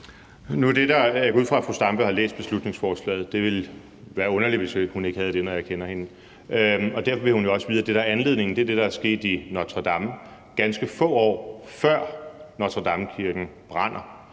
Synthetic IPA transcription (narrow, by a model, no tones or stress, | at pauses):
nud̥ed̥ɑæɡuð̰ˠfʁɑ̈æfʁusd̥ɑ̈mb̥ø̰hɑ̈lḛːsd̥̚b̥e̝slud̥ne̝ŋsfɒːslɛ̰ːð̩ˠd̥e̝ʋe̝l | ʋæːɐɔ̽nɐliʋe̝shune̝ɡ̥hæð̞̩ˠd̥e̝nɒjakʰenɐhe̝n | ɒ̽d̥æɐfɒ̽ʋe̝hunjo̝ɒ̽səʋiːðˠd̥e̝ɾɑɐænle̝ðˠne̝ŋn̩d̥e̝ɐd̥e̝ɾ̥ɑ̈æɐsɡ̥e̝̰ːd̥inɒt͡sʰʁɑd̥ɑ̈m | ɡ̥ænsɡ̥əfɔ̰̽ːɒ̰ːfɶɐ̰nɒt͡sʰʁɑd̥ɑ̈mkʰiɐɡ̥n̩b̥ʁɑ̈n̰ɐ